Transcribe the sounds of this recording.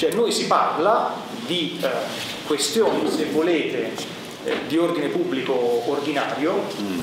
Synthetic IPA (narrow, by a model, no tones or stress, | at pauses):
t͡ʃoɛnːojsipa̰rla | d̪i | kwest̪joːnisevːoleːt̪e | d̪iord̪inepubːlikoːrd̪inaːɾjo